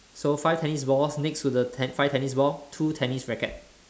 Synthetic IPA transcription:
sofaɪftʰɛnisbɔsnekstudəfaɪvtʰɛnisbɔtʰutʰɛnisɹɛkə̰t̚

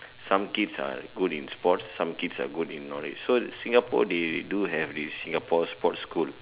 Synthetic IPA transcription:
sãmkidsa̰ɡudĩnspɔtsãmkidsa̰ɡudĩnːɔɹḭt͡ʃsosĩŋɡapɔ̰deduɦɛvdissĩŋɡapʰɔspɔtskul

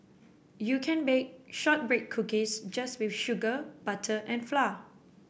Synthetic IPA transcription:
jukʰɛ̃nbek̚ʃɔt̚bɹek̚ʰːukisd͡ʒaswifʃuɡəb̥atʰəʔɛ̃nfla

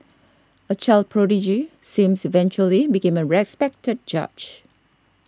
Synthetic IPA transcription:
ət͡ʃaɪld̚pʰɹɔɾid͡ʒisĩmsivɛ̃nt͡ʃuəlibikẽməɹɛspɛk̚təd̚d͡ʒa̰d͡ʒ

